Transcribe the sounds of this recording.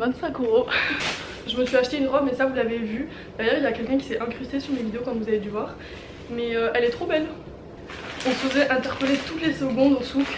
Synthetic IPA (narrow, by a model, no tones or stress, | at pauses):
vɛ̃t̪sɛ̃køʁo | ʒəməsɥiaʃt̪eynʁɔbmɛsavulavevy | d̪̥aʁjœʁiljakʲɛlkʲɛ̃k̬ʲi̥sɛɛ̃kχyst̪esyʁmevid̪eokɔ̃vuzaved̪yvwaːʁ | mɛøɛlɛt̪χobɛl | ɔ̃səozɛʔɛ̃t̪ɛʁpəlet̪ut̪lesəɡɔ̃d̪ɔ̃suf